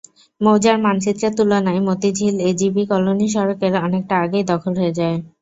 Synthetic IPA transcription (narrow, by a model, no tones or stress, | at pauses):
mowd͡ʑaɾmant͡ɕit̪ːɾet̪ulonaemot̪id͡ʑʱiled͡ʑibikɔloniʃ̬ɔɾokeɾɔnek̚ʈaaɡejd̪ɔkʰolɦoed͡ʑae